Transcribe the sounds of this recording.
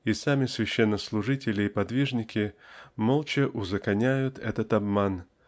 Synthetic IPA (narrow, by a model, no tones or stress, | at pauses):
ɪsamʲɪsvʲɪɕːenːəslˠʊʐɨtʲɪlʲɪːpɐd̪vʲiʐnʲɪkʲɪmolˠt͡ɕɪʔʊzəkɐnʲæjʊt̪ɛ̰t̪ət̪ɐbman